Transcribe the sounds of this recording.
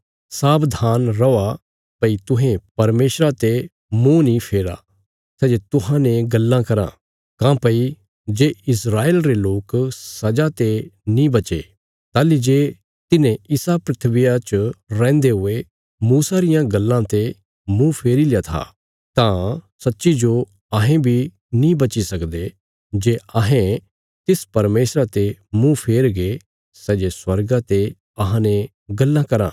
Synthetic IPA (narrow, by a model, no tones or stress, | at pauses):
saːbd̪ʱaːnɾɔa | pɐit̪ʊ̃ɦẽpɐɾmeːʃɾat̪e | mũnĩpʰeːɾa̰ | sɛːd͡ʒet̪ʊɦãneɡɐlːãkɐɾã̰ | kãpɐi | d͡ʒeːɪsɾaːeːlɾeloːksɐd͡ʒat̪enĩbɐt͡ʃḛ | t̪aːlid͡ʒeː | t̪ɪnẽɪsapɾɪt̪ʰʋɪjat͡ʃɾɛ̃ːnd̪eɦʊe | muːsaɾɪjãɡɐlːãt̪e | mũpʰeːɾilɪjat̪ʰa̰ | t̪ãsɐtːʃid͡ʒo | ɐɦẽbʱi | nĩbɐt͡ʃisɐkd̪e | d͡ʒeːɐɦẽ | t̪ɪspɐɾmeːsɾat̪emũpʰeːɾɡe | sɛːd͡ʒeswɐɾɡat̪e | ɐɦãne | ɡɐlːãkɐɾã̰ː